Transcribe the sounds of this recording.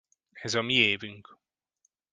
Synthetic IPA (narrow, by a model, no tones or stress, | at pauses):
ɛzɒmieːvyŋk